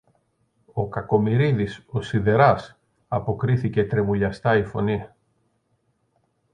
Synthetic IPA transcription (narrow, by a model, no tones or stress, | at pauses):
o̞kɐko̞miɾiðiso̞siðe̞ɾɐs | ɐpo̞kɾiθice̞t̪ɾe̞vuʎɐst̪ɐifo̞̰ni